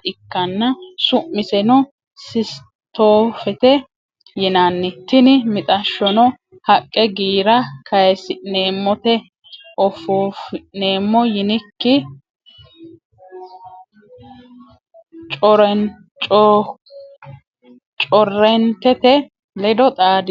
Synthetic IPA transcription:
ɪkːɐnːɐsʊʔmːɪsɛnɔ | sɪs | t̪oːfɛt̪ɛ | jɪnanːɪt̪ːɪnɪmɪt̪ʼɐʃːɔnɔ | hɐkʼːɛɡiːɾɐkʰɐjɛsɪneːmːɔt̪ɛ | ʔɔfoːfɪneːmːɔjɪnɪkːɪ | t͡ʃʼɔɾɛn | t͡ʃʼɔ | t͡ʃʼɔrːɛnt̪ɛt̪ɛ | lɛd̪ɔt̪ʼaːd̪ɪ

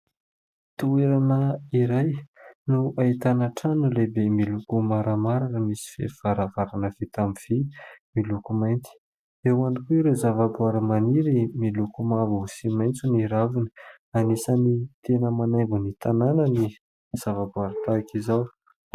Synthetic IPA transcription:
t̪ueɾanəiɾajnuait̪anaʈ͡ʂanulebemilukumaɾamaɾakəmisi̥fḛv̥aɾavaɾanəv̥et̪amiv̥imilukumajnt̪i̥ | ewanikuiɾezavabuaɾəmaniɾimilukumavuusimajnt͡suniɾavinə̥ | anisanit̪enəmanaŋɡunit̪ananəni | z̥avabuaɾat̪akizaw

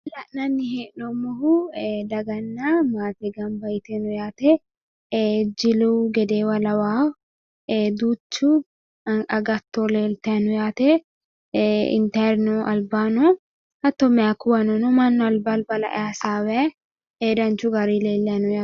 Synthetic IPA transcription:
lɐʔnɐnːɪheːʔnɔmːɔɦʊd̪ɐɡɐnːamaːt̪ɛɡɐmbɐjt̪ɛnɔjaːt̪ɛ | d͡ʒɪluwɡɛd̪eːwɐlɐwaː | ed̪uːt͡ʃːʊ | ɐɡɐt̪ːɔleːlt̪ɛɐnɔjaːt̪ɛ | ɪ̰nt̪ɐɾnɔʔɐ̰lbaːnɔ | hɐt̪ːɔmɛakːʊwɐnɔnɔmɐnːɔɐlbɐlbɐlɐ̰ʔɛ̰asaːwɛ | eːd̪ɐnt͡ʃʊɡɐɾileːlːɛɐnɔja

